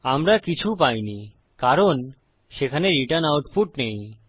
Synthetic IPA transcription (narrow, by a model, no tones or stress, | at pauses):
amɾakit͡ɕʰupajni | kaɾon | ʃekʰaneɾiʈənawʈfuʈnej